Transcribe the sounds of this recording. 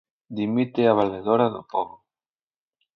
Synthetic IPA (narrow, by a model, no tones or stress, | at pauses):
d̪imit̪eaβaleðoɾaðo̰poβo